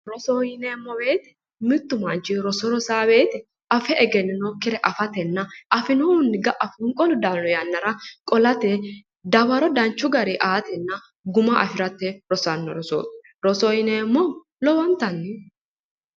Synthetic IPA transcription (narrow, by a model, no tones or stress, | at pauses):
ɾɔsɔjɪnemːɔbe̞ːt̪ɛ̥ | mɪt̪ːʊmɐnt͡ʃɪɾɔsɔɾɔsaːbe̞ːt̪ɛ | ɐfɛʔɛɡɛnːɪnɔkɪɾɛʔɐfɐt̪ɛnːɐʔɐfɪnoʊnːɪɡɐʔɐfʊŋkʼɔlʊd̪aːnlɔjɐnːɐɾɐkʼɔlɐt̪e | d̪ɐbɐɾɔd̪ɐnt͡ʃːʊɡɐɾiʔaːt̪ɛnːɐ | ɡʊmɐʔɐfɪɾɐt̪ːɛɾɔsɐnːɔ̰ɾɔso̰ːt̪ | ɾɔsɔjɪneːmːɔ | lɔwɐnt̪ɐnːɪ